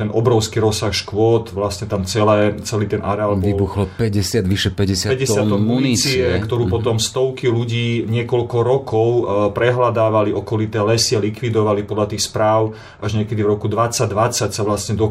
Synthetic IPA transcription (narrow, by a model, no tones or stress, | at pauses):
ɛnɔbɾɔʊskiɾɔsaxʃkʋɔt̪ʋlasɲɛt̪amt͡sɛlɛːt͡sɛliːt̪ɛnʔaɾɛaːlʋibuxlɔpɛɟɛsɪad̪ʋiʃɛpɛɟɛsɪpɛɟɛsɪat̪ɔmunːit͡st͡siɛkt̪ɔɾuːpɔt̪ɔmst̪ɔʊkiluɟiːɲɪɛkɔlkɔɾɔkɔʊpɾɛɦlad̪aːʋaliʔɔkɔlit̪ɛːlɛsialikʋid̪ɔʋalipɔd̪lat̪iːxspɾaːʊ | aʒɲɪɛkɛd̪ivɾɔkud̪ʋat͡saɟd̪ʋat͡sːacsaʋlasɲɛd̪ɔ